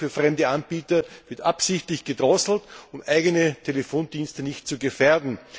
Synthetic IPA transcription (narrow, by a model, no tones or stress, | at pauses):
fyːɐfʁɛmdəanb̥iːtɐvɪɐtʔapsɪçtlɪçɡ̥ədʁɔsl̩tʊmʔæɪɡənətʰelefoːndiːnstənɪçt̚t͡suɡəfɛɐdn̩